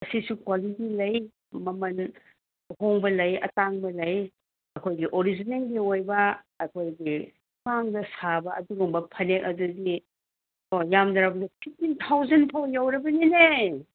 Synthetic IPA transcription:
ɐsisukwalitilɐj | mɐmɐn | hoŋbɐlɐjɐ̰taŋbɐlɐj | ɐkʰojɡiʔoɾid͡ʒinelɡiojbɐː | kʰojɡi | pʰaŋdɐsabɐʔɐduɾuŋbɐpʰɐnek̚ɐduɡi | ojamdɐɾabdɐpʰitintʰawzɐnpʰawjawɾɐbɐnine

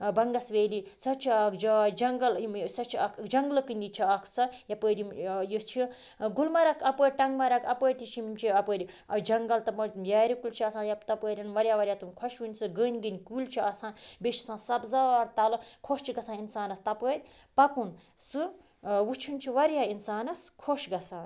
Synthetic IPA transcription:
bɐŋɡɐsʋeːlisɐt͡ʃʰiaːkd͡ʒaːjd͡ʒɐŋɡɐlsɐt͡ʃʰiɐkʰd͡ʒɐŋɡlɨkɨnʲd̪it͡ʃʰiɐkʰsɐjɐpəːɾimjust͡ʃʰi | ɡulmɐɾɐkʰɐpəːɾʲʈɐŋɡmɐɾɐkʰɐpəːɾʲt̪ʰit͡ʃʰimmt͡ʃʰiɐpəːɾʲi | d͡ʒɐŋɡɐlt̪ɐpɐjaːɾikult͡ʃʰiɐsãːjɐpt̪ɐpəːɾʲinʋɐɾʲjaʋɐɾʲjaːt̪umkʰoʃwɨnʲsɨɡəːnʲɡɨnʲkulʲt͡ʃʰiɐsãːbʲeʃi̥sãːsɐbzaːɾt̪ɐlɨkʰoʃt͡ʃʰiɡɐsãːinsaːnɐst̪ɐpəːɾʲ | pɐpun | sɨ | wut͡ʃʰunt͡ʃʰiʋɐɾjainsaːnɐskʰoʃɡɐsaːn

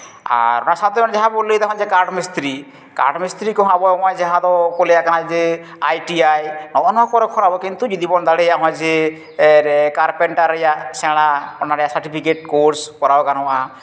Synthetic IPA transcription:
a̰ɾɔnasat̪ɔɔ̃nd͡ʒaɦãbolːid̪ɔɦɔ̃d͡ʒɛkaɾɖmist̪ɾi | ka̰ɾɖmist̪ɾikɔɦãbɔɔmajd͡ʒaɦãd̪ɔkɔlɛjakanad͡ʒɛ | ajʈiajnɔʔɔnɔɔkɔɾɛkʰɔɾabɔkint̪ud͡ʒid̪ibɔnd̪aɽɛjaʔɦɔ̃ad͡ʒɛ | ɾkaɾpɛɳʈaɾːɛjaʔsɛɽ̃aɔnaɾɛjasaɾʈipʰikeʈ̚koɾskɔɾabɔkanɔaʔa

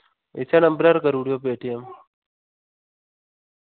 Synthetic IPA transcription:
ḛsanəmbɾaɾkəɾuːɽijop̬eːʈijəm

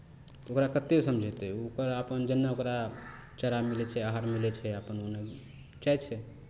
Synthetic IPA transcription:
okɾakət̪esəmd͡ʒʱɛt̪ɛokəɾəpənd͡ʒənːaokɾa | t͡ʃəɾamilɛt͡ʃʰɛaɦaɾmilɛt͡ʃʰɛapənone | t͡ʃat͡ʃʰɛ

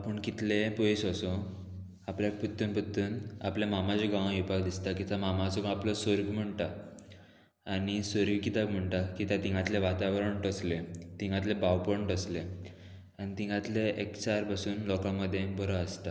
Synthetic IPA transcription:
apəɳkit̪lepoisəso | apljak̚pət̪ːənpət̪ːəːnapljamamat͡ɕeɡãʋ̃ãʋipakd̪ist̪akit̪jamamasɔɡãapləsəɾɡm̤əɳʈa | nisəɾʋikit̪akm̤əɳʈakit̪jãt̪ĩŋɡãt̪leʋat̪aʋɾəɳʈəslet̪ĩŋɡãt̪lebaʋpəɳʈəsle | anit̪ĩŋɡãt̪leʔekt͡ɕaɾpasuːnlɔkãməd̪ʱːjebəɾəəst̪a

